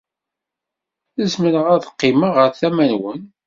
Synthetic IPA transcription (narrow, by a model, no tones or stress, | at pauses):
əzmələʁæðəqːɪmaʁəɾθæmænwən